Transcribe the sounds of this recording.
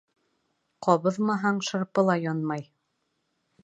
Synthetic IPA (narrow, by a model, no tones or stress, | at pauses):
qɒβɤ̆ðmɑɦɑɴʃɤ̆ɾpɤ̆lˠɑjɒnmɑj